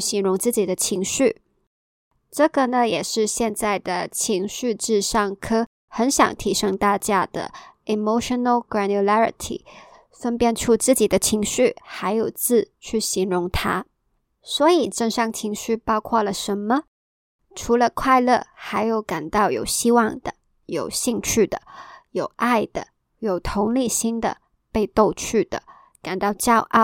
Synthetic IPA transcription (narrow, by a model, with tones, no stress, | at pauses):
ɕi˧˥ŋɻʊ˧˥ŋt͡sɹ̩˥˩t͡ɕi˨˩d̪ə˦t͡ɕʰi˧˥ŋɕy˥˩ | ʈ͡ʂɤ˥˩ɡə˩na˧jɛ˨˩ʂɻ̩˥˧ɕjɛ˥˧nt͡sa˥˩ɪd̪ə˩t͡ɕʰi˧˥ŋɕy˥˧ʈ͡ʂɻ̩˥˧ʂɑ˥˩ŋkʰɤ˥ | xə˧˥nɕjɑ̰˨˩ŋt̪ʰi˧˥ʂɤ˥ŋt̪a˥˧t͡ɕja˥˧d̪̥ə̰˩i˨˧mo˥ʊʂə˧nə˩lɡɹæ˧nju˧la˥ɹḭ˧˦t̪ʰḭ˨˩˦ | fə˥npjɛ˥˧nʈ͡ʂʰu˥˧t͡sɹ̩˥˩t͡ɕi˨˩d̪ə˦t͡ɕʰi˧˥ŋɕy˥˩xa˧˥ɪjo˨˩ʊt͡sɹ̩˥˧t͡ɕʰy˥˩ɕi˧˥ŋɻʊ˧˥ŋt̪ʰa˥ | swɔ˧˥i˨˩ʈ͡ʂə˥˧ŋʂɑ˥˩ŋt͡ɕʰi˧˥ŋɕy˥˧pɑ˥ʊkʰwɑ˥˩lə˨˩ʂə˧˥nmə˧ | ʈ͡ʂʰu˧˥lə˧kʰwa˥˧ɪlɤ˥˩xa˧˥ɪjo˧˥ʊka˨˩nt̪ɑ˥˩ʊjo̰˨˩ʊɕi˥wɑ˥˩ŋd̪ə̰˩ | jo˨˩ʊɕi˥˧ŋt͡ɕʰy˥˩d̪ə̰˩jo˨˩ʊʔa˥˩ɪd̪̥ə̰˩ | jo˨˩ʊt̪ʰʊ˧˥ŋli˥˩ɕi˥ŋd̪ə̰˨ | pe˥˧ɪt̪o˥˧ʊt͡ɕʰy˥˩d̪̥ə̰˩ | ka˨˩nt̪ɑ˥˩ʊt͡ɕjɑ˥ʊʔɑ˥˩ʊ